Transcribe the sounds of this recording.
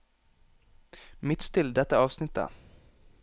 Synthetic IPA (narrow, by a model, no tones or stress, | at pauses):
mɪt̪ːt̪ʰɪld̪ɛt̪ːaɑːvsnɪt̪̚ːə̰